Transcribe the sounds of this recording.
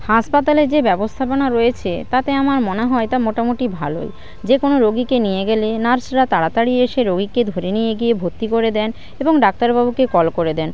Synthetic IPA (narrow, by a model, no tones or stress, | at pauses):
haʃpat̪aled͡ʑebɛbost̪ʰaponaɾojet͡ɕʰet̪at̪eamaɾmoneɦɔet̪amoʈamoʈibʱalo̰j | d͡ʑekonoɾoɡikenijeɡelenaɾsɾat̪aɽat̪aɽieeʃeɾoɡiked̪ʱoɾenijeɡijebʱot̪ːikoɾed̪ɛn | eboŋɖak̚t̪aɾbabukekɔlkoɾed̪ɛn